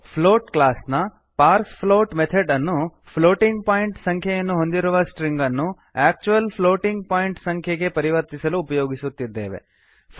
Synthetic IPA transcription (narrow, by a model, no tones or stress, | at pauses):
pʰloːʈklaːsnɐ | paːɾkspʰloːʈmet̪ʰeɖɐnːu | pʰloːʈiŋɡpaːjiɳʈsɐŋkʰjɐjɐnːuɦo̞nd̪iɾuʋɐsʈɾiŋɡɐnːu | aːk̚t͡ʃuʋɐlpʰloːʈiŋɡ̚paːjiɳʈsɐŋkʰjɐɡe̞pɐɾiʋɐɾt̪isɐluːpɐjoːɡisut̪ːid̪ːḛːʋḛ